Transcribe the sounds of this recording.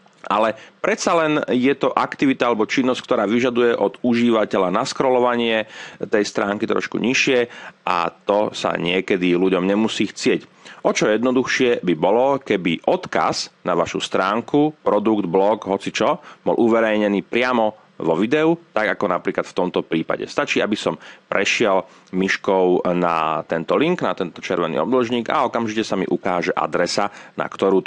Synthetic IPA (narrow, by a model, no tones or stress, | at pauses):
alɛpɾɛt̪salɛnjɛt̪ɔʔakt̪iʋit̪aalɛbɔt͡ʃinːɔsc̚k̚t̪ɔɾaːʋiʒad̪ujɛʔɔd̪uʒiːʋacɛʎanaskɾɔlɔʋaɲɪɛt̪ɛjst̪ɾaːŋkit̪ɾɔ̰ʃkṵɲiʃɪɛʔa̰t̪ɔsa̰ɲɪɛkɛd̪iluɟɔmɲɛmusiːxt͡sɪɛcʔɔt͡ʃɔjɛd̪nɔd̪uxʃɪɛbibɔlɔkɛbiʔɔt̪ka̰znaʋaʃṵst̪ɾaːŋkupɾɔd̪uɡd̪blɔɡɦɔt͡sit͡ʃɔbɔ̰lʔuʋɛɾɛjɲɛniːpɾɪamɔ | ʋɔʋid̪ɛut̪aɡakɔnapɾiːklat̪ft̪ɔmt̪ɔpɾiːpa̰ɟɛ̰st̪at͡ʃiːabisɔmpɾɛʃɪɛl | miʃkɔʊna̰t̪ɛnt̪ɔliŋknat̪ɛnt̪ɔt͡ʃɛɾʋɛnḭːɔ̰b̪lɔʒɲiːɡa̰ɔkamʒicɛsamḭʔukaːʒɛʔa̰d̪ɾɛsana̰kt̪ɔɾuː